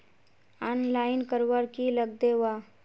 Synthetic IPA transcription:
anlaːɪnkəɾʋaɾkiləɡ̚d̪eʋa

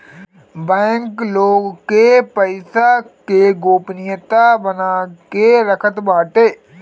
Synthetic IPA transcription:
bɛ̃ːŋkloːɡkepəɪsakeɡoːpnɪjət̪abənakeɾəkʰət̪baːʈeː

